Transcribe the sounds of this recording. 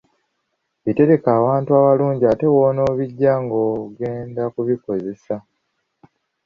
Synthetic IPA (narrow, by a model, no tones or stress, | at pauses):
βite̞ɾe̞kaːwaːntuaβaluːɲɟiate̞woːno̞ːβiɟːaŋɡoːɡe̞ːndakuβiko̞ze̞sa